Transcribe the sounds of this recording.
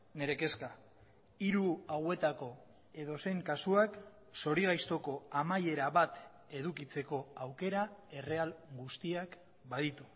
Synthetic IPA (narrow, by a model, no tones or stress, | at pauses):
ne̞ɾe̞ke̞ska | iɾuawe̞t̪ako̞ | e̞ðo̞se̞jŋkasuak | so̞ɾiɣajst̪o̞ko̞amaje̞ɾaβat̪ | e̞ð̞ukit͡se̞ko̞awke̞ɾae̞re̞alɡust̪iak | bað̞it̪u̥